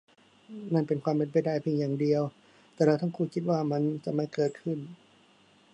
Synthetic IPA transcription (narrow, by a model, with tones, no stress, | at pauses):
na˥˩npe˧nkʰwaː˧mpe˧npa˧˩jda˥˩jpʰi˧ŋjaː˨˩ŋdi˧əw | t̪ɛː˨˧˩ɾɛ˧wt̪ʰa˥˩ŋkʰuː˧˩kʰi˧˦t̪̬̚waː˥˩ma˧˥˨nt͡ɕa˧ʔma˧˥˩jkɤː˨˩t̪̚kʰɯ˥˩n